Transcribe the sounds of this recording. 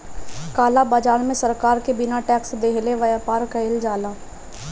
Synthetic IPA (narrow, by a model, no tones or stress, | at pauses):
kaːlabaːd͡ʒaːnmẽsəɾkaːɾkebɪnaʈɛːksd̪eːɦleʋɐjaːpaːɾkəɪld͡ʒaːlaː